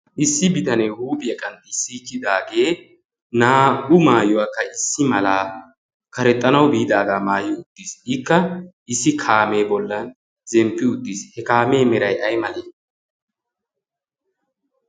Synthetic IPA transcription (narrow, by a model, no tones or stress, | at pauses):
ʔɪsːɪbɪt̪ɐnɛhuːbɪɛkʼɐnt̪ɪɪsːikːɪd̪aːɡe̞ː | naːɡʊmaːjʊwakːɐɪsːɪmɐlaː | kɐɾɛt̪ʼːɐnɐwbiːd̪aːɡaːmaːjʊʊd̪̥ːisɪkːɐʔɪsːɪkʰaːme̞ːbɔlːɐn | zɛmpːɪʊd̪ːishɛkaːme̞ːmɛɾɐjʔɐjmɐleː